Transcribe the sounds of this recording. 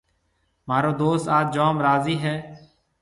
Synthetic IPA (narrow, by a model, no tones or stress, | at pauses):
maːɾoːd̪oːst̪aːt̪̚d͡ʒoːmɾaːziːɦɛː